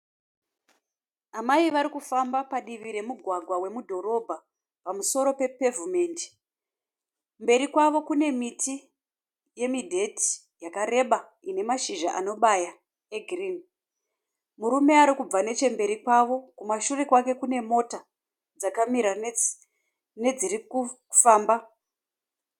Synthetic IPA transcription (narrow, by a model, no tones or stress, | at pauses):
amaiʋaɾikufambapaɗiʋiɾe̞muɡʱwaɡʱwawe̞mudʱo̞ɾo̞bʱa | pamuso̞ɾo̞pe̞pe̞vume̞ːndi̥ | mbe̞ɾikwaʋo̞kune̞miti | je̞midʱe̞ti̥ | jakaɾe̞ɓa | ine̞maʃiʒaʔa̰no̞ɓaja | e̞ɡʱrin | muɾume̞aɾikub͡vane̞t͡ʃe̞mbe̞ɾikwaʋo̞kumaʃure̞kwake̞kune̞mo̞ta | d͡zakamiɾa | ne̞d͡ziɾiku | faːmba